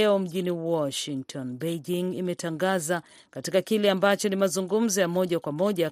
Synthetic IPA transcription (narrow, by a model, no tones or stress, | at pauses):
ɛɔm̩ʄiniwɔʃiŋktʰɔnbejd͡ʒiŋimɛtaŋɡaza | katikakilɛambat͡ʃɔnimazuŋɡum̩zɔjamɔʄakwamɔʄa